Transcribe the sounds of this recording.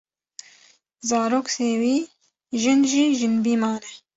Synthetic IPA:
zɑːɾoːkseːwiː | ʒɪnʒiːʒɪnbiːmɑːnɛ

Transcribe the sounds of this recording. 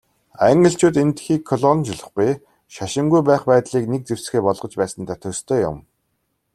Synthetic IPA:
æŋɡə̆ɬt͡ɕuːt̪ent̪xiːkʰːɔɮɔnt͡ɕɪɮə̆χɡuj | ʃaʃɪ̆ŋɡujpæːχpæːt̪ɮiːknek̚t͡sew̥s̆xeːpɔɮʁɞ̆t͡ɕpæːsə̆nt̪ʰat̪ʰɵst̪ʰœːjʊ̰m

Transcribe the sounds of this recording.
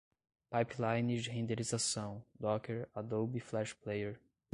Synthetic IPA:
pajplajnid͡ʒɪɦẽnd̪eɾizasɐ̃w̃d̪ɔkeɾad̪owbiflɛʃplejeɾ

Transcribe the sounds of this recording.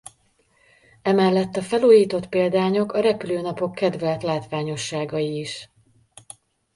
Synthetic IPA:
ɛmɛlːɛt̪ːɒfɛluːjiːt̪o̞t̪peːld̪aːɲo̞kɒɾɛpyløːnɒpo̞kːɛd̪vɛlt̪laːt̪ʋaːɲo̞ʃːaːɡɒjiːʃ

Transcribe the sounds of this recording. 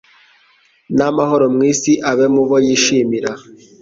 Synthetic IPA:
namaɦoɾomŋiːsiʔaβemuβojiːʃiːmiɾa

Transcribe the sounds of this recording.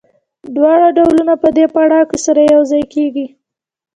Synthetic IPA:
d̪wɑɽaɖawlunapəd̪epaɽɑkəsaɾajawzɑjkeɡi

